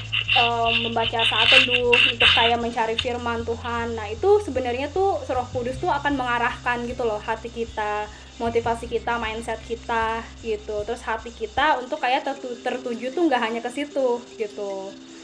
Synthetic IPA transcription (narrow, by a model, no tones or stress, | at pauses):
ʔəmːəmbat͡ʃasaːt̪əndʊhit̪ʊk̚sajaməɲt͡ʃaɾɪkfirmant̪uhanːahit̪usəbənarɲat̪usəɾɔhkudʊst̪uakanməŋaɾahkanɡit̪ulɔhhat̪ikit̪a | mot̪ifasikit̪amainsɛt̪̚kit̪a | ɡit̪ut̪ɾʊshat̪ikit̪aunt̪ʊkːajat̪ət̪ut̪ərt̪ud͡ʒut̪uŋɡaʔɦaɲakəsit̪ʊɡit̪u